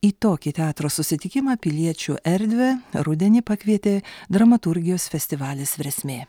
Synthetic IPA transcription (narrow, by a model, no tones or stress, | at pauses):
iːt̪oːkʲiːt̪ʲɛɑːt̪ɾoːssʊsʲɪt̪ʲɪkʲɪmɑːpʲɪlʲiɛt͡ʃʲuːʔɛɾʲd̪ʲʋʲɛɾʊd̪ʲɛnʲɪpɑkʲʋʲiɛt̪ʲeːd̪ɾɐmɐt̪ʊɾʲɡʲɪjoːsfʲɛsʲt̪ʲɪʋɑːlʲeːsʋʲɛɾʲɛsʲmʲeː